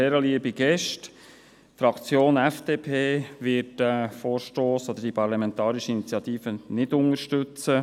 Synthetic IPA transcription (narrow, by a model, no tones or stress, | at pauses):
ɛːɾəliəbiɡ̥ɛʃt | fɾɑkt͡sjoːnɛfd̥eːpʰeːʋɪtɛfoːɾʃtoːsod̪əd̥ipʰɑɾlɑmɛnt̪ɑːɾiʃəinit͡sjɑt̪iːfənɪdʊŋəʃtʏt͡sə